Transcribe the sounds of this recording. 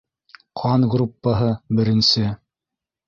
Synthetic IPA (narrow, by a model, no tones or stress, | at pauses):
qʰɑnɡrupːəɦɤbɘ̆ɾɘ̆nsɘ